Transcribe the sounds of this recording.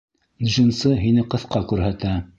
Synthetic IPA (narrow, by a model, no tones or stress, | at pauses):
nʒĭnsɤɦinɘqɤ̆θqɑkʉɾɦæt̪æ